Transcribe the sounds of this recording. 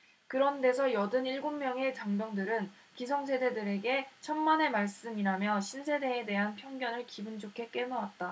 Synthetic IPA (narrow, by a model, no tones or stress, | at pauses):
kɯɾʌnde̞sʰʌjʌdɯniɭɡomːjʌŋe̞t͡ɕaŋdjʌŋdɯɾɯn | kisʰʌŋsʰe̞de̞dɯɾe̞ɡe̞t͡ɕʰʌnmane̞maɭs͈ɯmiɾamjʌɕʰinsʰe̞de̞ːde̞ɦanpʰjʌŋɡjʌnɯɭkibɯnd͡ʑokʰe̞k͈e̞nʌwat̚t͈a